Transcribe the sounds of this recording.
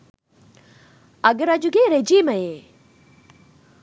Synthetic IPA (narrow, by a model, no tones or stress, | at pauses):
ɐɡəɾɐd͡ʒuɡeɾed͡ʒiːməe